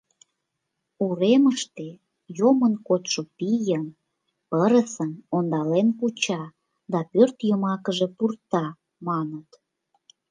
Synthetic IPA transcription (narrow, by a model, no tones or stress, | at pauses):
uɾeməʃt̪e | jomənkot̪ʃopijən | əɾəsənond̪ɑlenkut͡ɕɑ | d̪ɑpørt̪jəmɑkəʒepurt̪ɑ | mɑnət̪